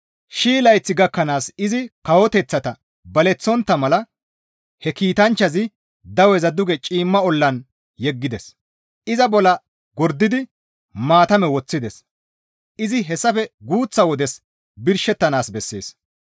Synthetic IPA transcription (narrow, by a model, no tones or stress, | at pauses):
ʃiːlɐjt͡sːɪɡɐkːɐnaːsɪzɪkɐwɔt̪ɛt͡sːɐt̪ɐ | bɐlɛt͡sːɔnt̪ːɐmɐlɐ | hɛkiːt̪ɐnt͡ʃːɐzɪ | d̪ɐwɛzɐd̪ʊɡɛt͡ʃʼiːmːɐɔlːɐn | jɛɡːɪd̪ɛs | ʔɪzɐbɔlɐ | ɡɔɾd̪ːɪd̪ɪ | maːt̪ɐmɛwɔt͡sːɪd̪ɛs | ʔɪzɪɦɛsːɐfɛɡuːt͡sːɐwɔd̪ɛs | bɪɾʃɛt̪ːɐnaːsbɛsːe̞̰ːs